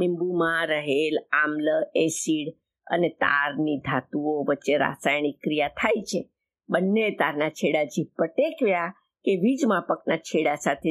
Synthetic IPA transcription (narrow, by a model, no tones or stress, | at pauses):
mimbumãɾəɦelamləesiɽ | ə̰net̪a̰ɾnid̪ʱat̪uoʋətːʃeɾa̰sajɳ̃ikɾijat̪ʰajt͡ʃʰe | bənːet̪aɾnat͡ʃʰeɽad͡ʒiʋpəʈekʋja | keʋid͡ʒmãpəknat͡ʃʰeɽasat̪ʰe